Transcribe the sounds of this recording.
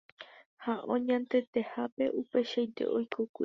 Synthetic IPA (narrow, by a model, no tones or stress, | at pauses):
haʔõɲãnt̪e̞t̪e̞hape̞ʔupe̞ʃajt̪e̞̰ʔojkʰokʷi